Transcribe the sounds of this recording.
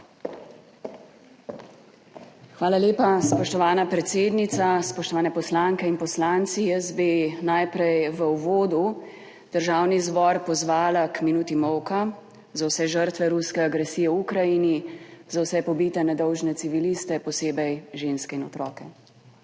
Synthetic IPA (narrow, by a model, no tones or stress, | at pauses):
xʋaːlaljeːpaspɔʃt̪ɔʋaːnapɾɛt̪seːd̪nit̪saspɔʃt̪ɔʋaːnɛpɔslaŋkɛinpɔslaːnt̪sijəzbenajpɾɛjʋəwʋoːd̪u | d̪̥əɾʒaːwnizbɔɾpɔzʋaːlakminuːt̪imɔwka | zawsɛʒəɾt̪ʋɛɾuskɛaɡɾɛsiːjɛwukɾajinizawsɛpɔbiːt̪ɛnɛd̪ɔwʒnɛt̪siʋilist̪ɛpɔseːbɛjʒeːnskɛinɔt̪ɾɔːkɛ